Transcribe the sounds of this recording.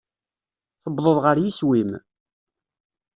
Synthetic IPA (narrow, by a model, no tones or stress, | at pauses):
θəbðˤəðˤʁəɾjiswim